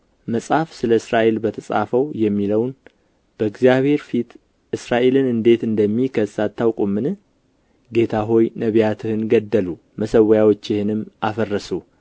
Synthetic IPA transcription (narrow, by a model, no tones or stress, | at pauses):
məsʼhafsɨləɨsɾaʔe̞lbət̪ʰəsʼa̰fəwjɛmːiləwn | b̥əɨɡzijaβhe̞ɾfit̪ʰ | ʔɨsɾaʔe̞lɨnɨnd̪e̞t̪ɨnd̪əmːikʰəsat̪ʰːawkʼumːɨnɨ | ɡe̞t̪ʰaɦo̞jnəβjat̪ʰɨhɨnɡəd̪ːəlu | məsəwːəjawot͡ʃːɪhɪnɨmʔafərːəsu